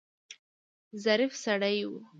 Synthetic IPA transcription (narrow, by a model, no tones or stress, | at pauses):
zaɾifsaɽajwu